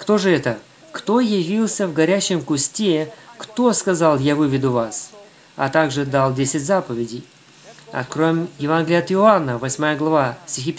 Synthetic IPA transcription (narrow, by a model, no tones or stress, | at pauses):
kt̪o̞ʐɨɛt̪ə | kt̪o̞jɪvʲilˠsʲəvɡɐɾʲæɕːɪmkʊsʲtʲekt̪o̞skɐzalˠjavɨvʲɪd̪ʊvas | ɐ̰t̪aɡʐɨd̪alˠdʲesʲɪtʲzapəvʲɪdʲɪj | ɐ̰kɾomʲjɪvanɡʲlʲɪat̪ɪʊanːəvɐsʲmajəɡlˠɐvasʲtʲɪxʲipʲ